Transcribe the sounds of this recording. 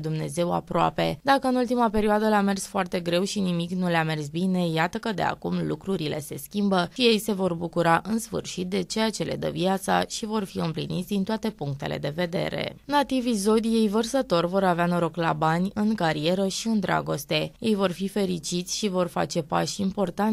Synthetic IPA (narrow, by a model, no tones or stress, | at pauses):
d̪umne̞ze̞wa̰pɾoa̰pe̞̰d̪akəɨnult̪imape̞ɾioad̪əlame̞rsfoart̪e̞ɡɾe̞wʃinimiknuleame̞rsbine̞jat̪əkəd̪e̞̰a̰kumlṵkɾuɾile̞̰se̞skʲimbəʃije̞jse̞vo̞rbukuɾaʔɨnsfɨ̰rʃit̪̚d̪e̞t͡ʃe̞jat͡ʃe̞le̞̰d̪ə̰viat̪sa̰ʃivo̞rfiɨmplḭnḭt̪sʲd̪int̪oat̪e̞puŋk̚t̪e̞̰lʔe̞̰d̪e̞ve̞d̪e̞̰ɾe̞̰nat̪ivizo̞d̪ije̞jvərsət̪o̞rvo̞ɾaveanoɾo̞kla̰banʲɨŋkaɾie̞ɾəʃiɨnd̪ɾʔa̰ɡo̞st̪e̞je̞jvo̞rfife̞ɾit͡ʃit̪sʲʃivo̞rfa̰t͡ʃe̞pa̰ʃimpo̞rt̪an